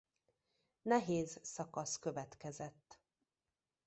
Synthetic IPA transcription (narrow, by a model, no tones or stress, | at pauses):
nɛɦeːzsɒkɒskøvɛt̪kɛzɛt̪ː